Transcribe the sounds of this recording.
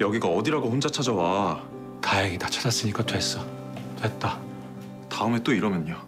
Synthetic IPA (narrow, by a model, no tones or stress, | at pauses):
jʌɡiɡaʌdiɾaɡoɸond͡ʑat͡ɕʰad͡ʑawa | tajeɡitat͡ɕʰad͡ʑas͈ɯɲik͈at͡ɕwes͈ʌ | t͡ɕwet̚t͈a | taɯme̞t͈oiɾʌmjʌɲo